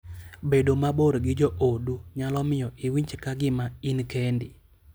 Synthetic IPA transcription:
bedomaboɾɡɪd͡ʒoʔoduɲalɔmɪjɔʔɪwiɲt͡ʃkaɡɪmainkendɪ

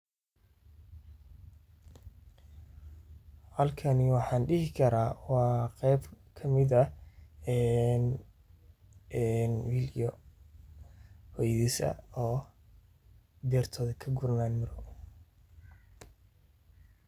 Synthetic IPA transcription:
hɐlkʰɐnɪwɑħɑːnɖɪhɪkʰɐɾaːwɑːqɛjb | kʰɐmɪðɐɛːn | ɛnwilijɔ | hɔjðiːsɐ̰ɔː | d̪ɛːrt̪ʰɔːðɐkʰɐɡʊɾnaːnmɐɾɔ

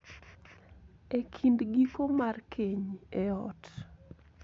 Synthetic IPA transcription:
ekʰindɡikomarkʰeɲeɔt

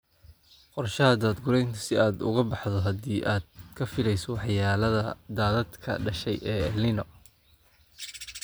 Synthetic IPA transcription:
qɔrʃɐɐd̪aːd̪ɡʊɾɛjnt̪ʰɐ̥sɪaːd̪ʊ̰ɣɐbɑħðɔɦɐdiːʔaːd̪̥̚kʰɐfɪlɛjsɔwɑħjaːlɐðɐd̪aːðɐd̪kʰɐ̰ɖɐʃɛjʔɛːlɪnɔ

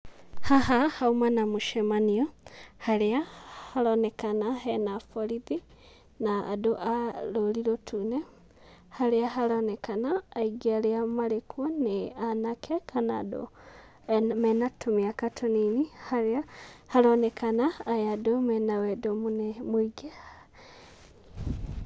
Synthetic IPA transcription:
hahahaumanamuʃemaniohaleahalonekanaɦenafoliði | na̰ːdoʔaloliɾotʰune | haleaɦalonekanaːiɡaleamalekwoneanakʰekʰana̰do̰ | mɛnatʰomiakatʰoninihaahalonɛkʰanaːjadomɛnawedomunemwiɡe

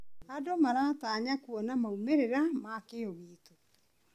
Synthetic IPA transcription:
adomaɾaːtaːɲakuɔnamaumeɾeɾamakeɔɣiːto

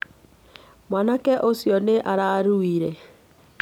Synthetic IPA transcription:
mwanakɛʔosjɔneʔaɾaɾuiɾɛ

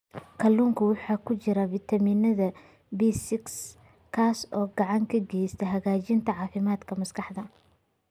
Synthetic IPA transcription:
kʰɐlːuːŋkʰɐwɑħɑːkʰʊt͡ʃɪɾɐfit̪ʰɐmiːnɐðɐ | bisɪks | kʰaːsɔːɡɑʕɑŋkʰɐɡɛjst̪ʰɐɦɐɣaːt͡ʃɪnt̪ʰɐʕɑːfɪmaːd̪kʰɐmɐskʰɑħd̪ɐ

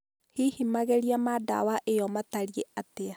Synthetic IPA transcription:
hihimaɣɛɾiamada̰waʔejɔmataɾieatea

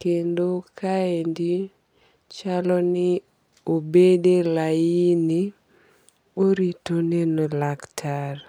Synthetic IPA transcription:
kendokʰaendi | t͡ʃalɔnɪ | obedelajini | oɾitonenolaktʰar

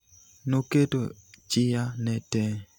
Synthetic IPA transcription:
noketo̰t͡ʃɪjanɛtɛ

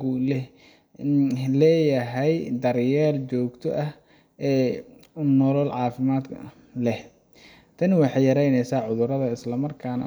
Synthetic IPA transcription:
ʊlɛ | lɛːjɐɦɛjd̪ɐrjɛːrt͡ʃɔːɡt̪ʰɔ̰ʔɐh | ɛːʊnːɔlɔlʕɑːfɪmaːd̪̰ʰ | lɛh | t̪ʰɐnwɑħɑjɐɾɛjnɛjsaːʕʊðʊɾɐðɐɪslɐmɐrkʰaːnɐ̰

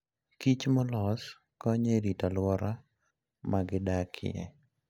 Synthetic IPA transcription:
kit͡ʃmɔlɔs | kɔɲeɾitalwɔɾa | maɡɪdakʰɪ̰jɛ̰

